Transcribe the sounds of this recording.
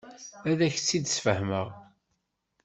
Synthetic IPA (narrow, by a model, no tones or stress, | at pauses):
æðæçt͡sːid̪əsfəhməʁ